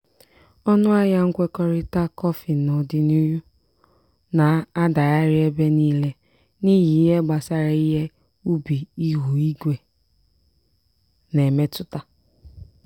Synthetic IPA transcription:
ɔ˦nʊ˦a˦ja˦ŋ̩˦kʷe˦kɔ˦ɾɪ˦ta˦kɔ˦fi˨nʊ˨dɪ˨nu˦ju˦ | na˨a˦da˨ja˦ɾɪ˦e˦be˦niː˦le˦ | ni˦ɦi˨i˦ɦe˦ɡ͡ba˨sa˦ɾa˨i˦ɦe˦ | u˦bi˨i˦ɦu˨i˦ɡʷe˨ | ne˨me˦tʊ˦ta˦

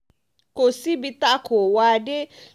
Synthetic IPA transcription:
ko˨si˦bi˧t̪a˦kʰo˨wa˨de˦

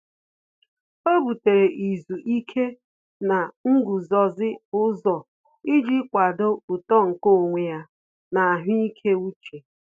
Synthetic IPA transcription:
o˦bu˨te˨ɾe˨ʔi˨zu˨ʔi˦kʰe˦ | na˨ŋ̩˦ɡu˨zɔ˨zɪ˦bʊ˦zɔ˨ | i˦d͡ʒi˦kʷa˨do˦u˨tɔ˦ŋ̩˨ko˦˨ŋʷe˨ja˦ | na˨a˨ɦʊ˦i˦kʰe˦u˦t͡ʃe˨

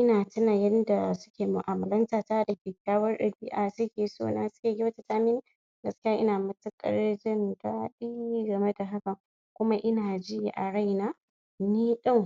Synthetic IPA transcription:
ʔɪ˦naː˨tɪ˦naː˨jɐ˦nda˨sʊ˦kʲeː˨mʊ˨ʔaː˨mɐ˨lɐ˦ntaː˨ta˦dɐ˨kʲeː˨kʲaː˦wɐ˦rɗɐ˨biː˦ʔa˨sʊ˦kʲeː˨so̰ː˦naː˦sʊ̥˦kʲeː˨ɡʲi˦wɐ˦ta˦taː˦mɪ˦n˦ | ɡɐ˨˦skʲi˦jaː˦ʔɪ˦naː˨mɐ˦tʊ˦kʼɐ̰˨ɽɾd͡ʒɪ˦ndaː˦ɗi˦ɡɐ˨me˦da˨ɦa˦kɐ˨ŋ | kʷʊ˦ma˦ʔɪ˦naː˨d͡ʒɪ˦jʔa˨ɽa˦jnaː˦ | niː˦ɗɐ˦˨ŋ

